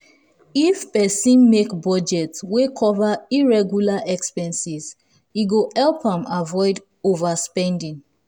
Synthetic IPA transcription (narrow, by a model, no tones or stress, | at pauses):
ifpɛsĩnmekbɔd͡ʒɛtswekʰɔvaiɹɛɡjulaʔɛkspɛ̃nsiz | iɡohɛlpãmavɔɪd | ovaspɛ̃ndĩŋ